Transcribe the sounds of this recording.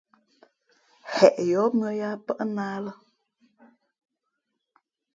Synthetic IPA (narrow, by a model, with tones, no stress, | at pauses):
hɛ˨ʔjɔ˨˦mɰə˦ja˦pə˦ʔnaː˦lə˦